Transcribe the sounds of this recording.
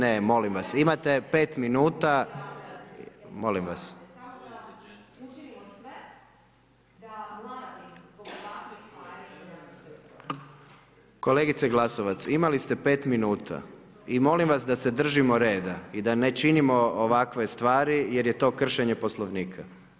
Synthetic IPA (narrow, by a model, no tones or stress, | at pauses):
nemo̞limʋasimat̪e̞pe̞ːt̪minuːt̪a | mo̞limʋa̰s | ko̞le̞ɡit̪seɡlˠasoʋat̪simalist̪e̞pe̞ːt̪minuːt̪ʰa̰ | imo̞limʋasd̪ase̞d̪r̩ʒimoɾe̞ːd̪aid̪ane̞t͡ʃinimo̞oʋakʋe̞st̪ʋaːɾije̞ɾje̞t̪o̞ːkr̩ʃe̞ɲe̞po̞slˠoʋniːkʰa